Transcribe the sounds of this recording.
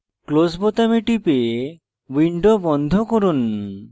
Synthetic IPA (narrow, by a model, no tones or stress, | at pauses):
klosbot̪amiʈipe | wiɳɖobɔnd̪ʱokoɾun